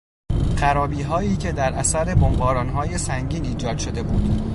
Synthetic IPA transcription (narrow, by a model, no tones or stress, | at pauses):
ɢæɾɒːbiːɦɒːiːcʰe̞d̪æɾʔæsæɾe̞bombɒːɾɒːnɦɒːje̞sæŋɟiːniːd͡ʒɒːd̪̥ʃo̞d̪e̞buːd̪̥